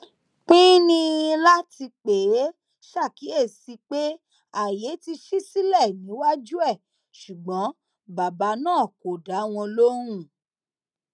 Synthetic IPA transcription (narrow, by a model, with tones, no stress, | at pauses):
k͡pĩ˦nĩ˧la˦ti˧k͡pe˨˦ | ʃa˦˨ki˨˦e˦˨si˨˧k͡pe˦ | a˨je˨˦ti˧ʃi˦si˦lɛ˦˨nĩ˨˦wa˦d͡ʒu˦ɛ˦˨ | ʃu˨ɡ͡bɔ̃˨˦ | ba˨ba˨˦nãː˦˨ko˨da˨˦w̃ɔ̃˧lo˦ɾ̃ũ˦˨